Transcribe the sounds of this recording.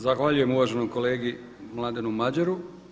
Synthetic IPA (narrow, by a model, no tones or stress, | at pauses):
zaxʋaʎuje̞muʋaʒenomko̞le̞ːɡi | mlˠad̪enumad͡ʑeɾu